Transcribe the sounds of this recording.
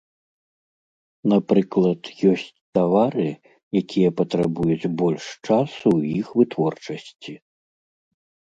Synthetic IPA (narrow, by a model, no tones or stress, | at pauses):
napɾɨklˠɐt̪jɔsʲt͡sʲt̪avaɾɨ | jakʲijɐpɐt̪ɾabujut͡sʲbɔlʲʂt͡ʂasuwjixvɨt̪vɔrt͡ʂɐsʲt͡sʲi